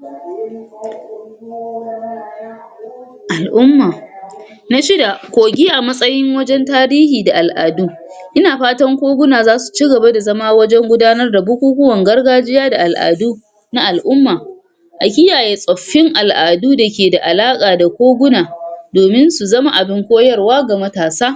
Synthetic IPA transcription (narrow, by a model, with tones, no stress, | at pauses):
ʔa˨lʔʊ˦mːaː˨ | na˦ʃɪ˦da˨kʷoː˨ɡʲi˦ʔa˨mɐ˦sʼɐ˦jɪ˦ŋwɐ˦d͡ʒɛ˦ntaː˦ɾiː˦hiː˨da˨ʔa˨lʔa̰ː˨duː˦ʔɪ˦naː˨ɸaː˦tɐ˦ŋkʷoː˦ɡʷʊ˦naː˨zaː˦su̥˨t͡ʃi˦ɡɐ˨ba˦da˨zɐ˦maː˦wɐ˦d͡ʒɛ˦ŋɡʷʊ˦daː˦nɐ˦rda˨bʊ˦kʷuː˦kʷʊ˦wɐ˨ŋɡɐ˦rɡaː˦d͡ʒɪ˦jaː˦da˨ʔa˨lʔa̰ː˨duː˦ | na˦ʔa˨lʔʊ˦mːaː˨ | ʔa˨kʲɪ˦jaː˨jeː˦sʼɔ˨ɸːɪ˦ŋʔa˨lʔaː˨duː˦da˨kʲeː˨da˨ʔa˨laː˦kʼaː˨da˨kʷoː˦ɡʷʊ˦naː˨doː˨mɪ˦nsu˨zɐ˦ma˦ʔa˨bɪ˦ŋkʷoː˦jɐ˦rwaː˦ɡa˨mɐ˦taː˨saː˦